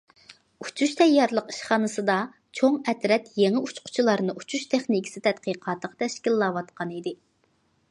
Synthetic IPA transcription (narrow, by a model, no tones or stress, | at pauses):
ut͡ʃʰuʃt̪ʰɛjːɑɾlˠəqi̥ʃχɑnɨsɨd̪ɑ | t͡ʃʰoŋɛt̪ɾɛt̪jeŋɪut͡ʃqʰʊ̥t͡ʃʰilˠɑɾnɨut͡ʃʰuʃt̪ʰɪχnikʲʰi̥sɪt̪ʰɛt̪̚qiqʰɑːt̪əqt̪ʰɛʃkʲilːɑːwɑt̪qʰɑnid̪ɪ